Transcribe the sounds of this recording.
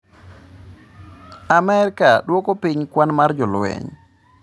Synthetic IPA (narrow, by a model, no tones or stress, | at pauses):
amɛɾkaɗwɔkopiɲkwanmard͡ʒɔlwɛ̰ɲ